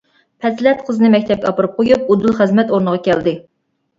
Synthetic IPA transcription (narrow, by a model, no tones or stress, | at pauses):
pʰɛslɛt̪̚qʰəzɨnɨmɛk̚ʲt̪ʰɛp̚kʲɛɑpɨɾɨp̚qʰojup̚ud̪ulˠχəzmɛt̪oɾnəʁɑkʲʰɛld̪ɪ